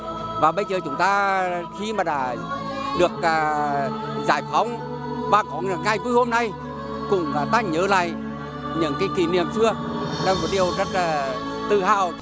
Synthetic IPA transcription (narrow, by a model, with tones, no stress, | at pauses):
vaː˨˩ɓə˧jzəː˨˩t͡ɕʊ˨˦ŋ͡mt̪aː˧xi˧maː˨˩ɗa̰ː˧˥ | ɗɨ˨˩ək̚aː˨˩ | zaː˧˩jfa˨˧˦wŋ͡m | vaː˨˩kɔ˨˦ŋ˨˩ŋa˧˩jku˧əjho˧mna˧j | kʊ̰˧˥ŋ͡mkaː˨˩t̪aː˧˥ɲəː˨˦la̰ː˧˨jʔ | ɲɨ̰˧˥ŋkaː˨˦jki˧˩nḭ˧˨əmsɨ˧ə | ɗa˧wmo˨˩t̚ɗi˨˩əwzə˦˥t̚laː˨˩ | t̪ɨ̰˧˨ha̰ː˧˨w